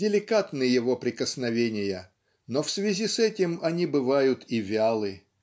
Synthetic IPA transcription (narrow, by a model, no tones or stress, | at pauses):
dʲɪlʲɪkat̪nɨjɪvo̞pɾʲɪkəsnɐvʲenʲɪjə | nofsvʲɪzʲisɛtʲɪmɐnʲibɨvajʊt̪ivʲalˠɨ